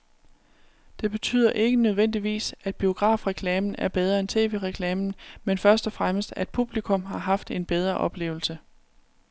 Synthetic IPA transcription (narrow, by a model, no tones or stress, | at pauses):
d̥e̝b̥e̝t͡sʰy̰ːð̰ˠɐʔe̝ɡ̥ənøð̞ˠʋen̰d̥iʋḭːsæd̥̚b̥io̝ɡ̥ʁɑ̰̈ːfʁɛkʰlɛːmn̩æɐb̥eð̞ˠʁɐent͡sʰe̝̰ːʋeʁɛkʰlɛːmn̩menfɶɐsd̥ɒfʁaməsd̥æd̥̚pʰub̥likʰɔ̽mɦɑ̈ɦɑ̈fd̥e̝nb̥eð̞ˠʁɐʔɒ̽b̥le̝̰ːʊl̩sə